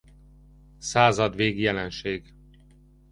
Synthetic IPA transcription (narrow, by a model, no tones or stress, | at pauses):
saːzɒd̪ʋeːɡjɛlɛnʃeːɡ